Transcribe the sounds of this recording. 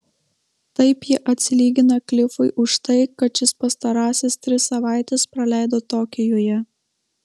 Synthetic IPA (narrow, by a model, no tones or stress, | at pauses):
t̪ɐɪpjɪʔɐt̪ʲsʲɪlʲiːɡʲɪnɐklʲɪfʊɪʔʊʃt̪ɐɪkɐt̪ʃʲɪspɐst̪ɐɾɑːsʲest̪ʲɾʲɪsːɐʋɑˑɪt̪ʲɛspɾɐlʲæˑɪd̪oːt̪oːkʲɪjoːjɛ